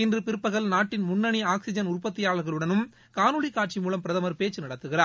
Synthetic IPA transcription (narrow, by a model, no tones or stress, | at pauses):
ɪndrɯpɪɾɯpːɐɣɐɭnaːʈːɪnmʊnːɐɳiaːksɪd͡ʒɐnʊrpɐt̪ːɪjaːɭɐɾɣɐɭɯɽɐnɯm | kaːnɯɻikːaːʈ̚t͡ʃimuːlɐmpɪɾɐðɐmɐɾpeːt͡ʃːɯnɐɽɐt̪ːɯɣɪraː